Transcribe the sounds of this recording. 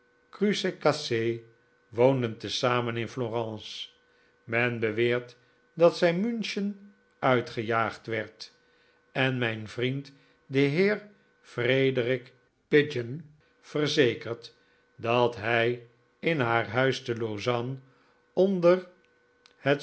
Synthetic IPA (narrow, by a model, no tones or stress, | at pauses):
krysekase | ʋowndəntəsaːmənɪnfloːrɑ̃ːs | mɛnbəʋɪːɹt | dɑtsɛjmynʃən | œɥtχəjaːχtʋɛɹt | ɛnmɛjnvrint | dəɦɪːɹ | frejdrɪk | pɪd͡ʒən | fərzejkəɹt | dɑtɦɛj | ɪnɦaːɹɦœɥstəlozɑn | ɔndər | hət